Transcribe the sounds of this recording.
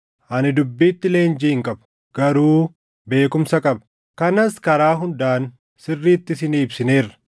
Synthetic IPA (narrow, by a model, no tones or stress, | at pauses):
ʔɐnɪd̪ʊbːiːt̪ːɪle̞ːnd͡ʒiːɪŋkʼɐbɐ̥ | ɡ̥ɐɾuː | be̞ːkʊmsɐkʼɐbɐ | kɐnɐskɐɾaːɦʊnd̪aːn | sɪrːiːt̪ːɪsɪniːbsɪne̞ːrːɐ̥